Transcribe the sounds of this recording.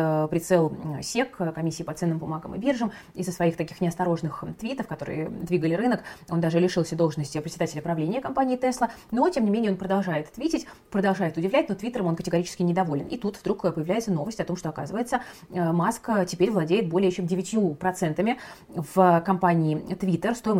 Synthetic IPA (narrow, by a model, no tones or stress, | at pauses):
pɾʲɪt̪sɛlˠsʲekkɐmʲisʲːiːpɐt̪sɛnːɨmbʊmaɡəmɨ̰bʲerʐɨm | ɪzəsvɐixt̪ɐkʲi̥xnʲɪɐst̪ɐɾo̞ʐnɨxt̪vʲit̪əfkɐt̪o̞ɾɨ̰jə̰d̪vʲiɡəlʲɪɾɨnəko̞nd̪aʐɨlʲɪʂɨlˠsʲəd̪o̞lˠʐənəsʲtʲɪpɾʲɪtsʲɪd̪atʲɪlʲəpɾɐvlʲenʲɪjəkɐmpanʲɪːt̪ɛslˠəno̞tʲemnʲɪmʲenʲɪəopɾəd̪ɐlˠʐajɪt̪t̪vʲitʲɪtʲ | pɾəd̪ɐlˠʐajɪt̪ʊdʲɪvlʲætʲno̞t̪vʲit̪ːəɾəmo̞nkətʲɪɡɐɾʲit͡ɕɪskʲɪnʲɪd̪ɐvolʲɪnit̪ut̪vd̪ɾukpəjɪvlʲæjɪt̪səno̞vəsʲtʲɐt̪o̞mʂt̪o̞ɐkazɨvəjɪt̪sə | masktʲɪpʲeɾʲvlˠɐdʲejɪt̪̚bo̞lʲɪjəɪɕodʲɪvʲɪtʲjupɾɐt̪sɛnt̪əmʲɪ | vkɐmpanʲɪːt̪vʲit̪ərst̪oɪm